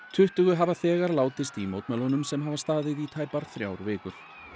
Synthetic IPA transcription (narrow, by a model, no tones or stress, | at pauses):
t̪ʰʏht̪ʏɣʏɦavaθɛːɣaɾlaːwt̪ɪst̪imoːwt̪mɛlɔnʏmsɛmɦavast̪aːðɪðit̪ʰaːjpaɾ̥θɾja̰ːwɾvɪːkʏɾ̥